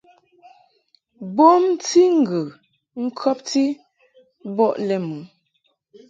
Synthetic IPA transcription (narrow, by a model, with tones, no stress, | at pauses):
bo˦mti˦ŋ̩˨ɡə˨ | ŋ̩˦kʰɔ˦p̚ti˦ | bɔ˦˨ʔlɛ˦mu˨˦